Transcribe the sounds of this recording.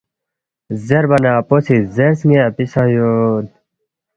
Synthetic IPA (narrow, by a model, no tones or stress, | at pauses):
zeɾbɐnaːposizeɾsŋeɐpisajod̪̚